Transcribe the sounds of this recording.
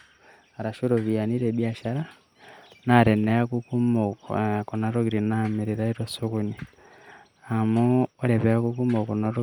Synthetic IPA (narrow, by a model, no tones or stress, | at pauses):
aɾaʃuɾoβianiɾeβiaʃaɾa | naɾeneakukumokkonaɾoɣiɾinamiɾiɾaiɾosuɣuni | amuoɾeβeakukumokonoɾo